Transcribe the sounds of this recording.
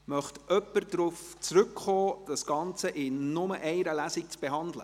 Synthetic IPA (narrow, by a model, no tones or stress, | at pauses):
mœχtʔœpːəɾdɾuft͡sɾʉkχoːd̥ɑsɡ̥ɑnt͡səʔɪnʊməʔɛɪɾəlæsik̚t͡sb̥eɦɑnd̪lə̰